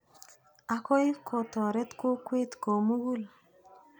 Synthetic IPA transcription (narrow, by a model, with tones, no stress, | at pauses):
a˨kɔ˦i˦kʰɔ˨t̪ɔ˨ɾɛ˦t̪ko˦kwe˦t̪ko˨mu˦ɡu˦l